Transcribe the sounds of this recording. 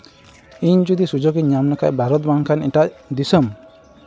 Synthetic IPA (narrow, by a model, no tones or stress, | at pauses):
iɲd͡ʒud̪isud͡ʒɔɡiɲamnakaʔbʱaɾɔt̪̚baŋkʰanɛʈaʔd̪isɔm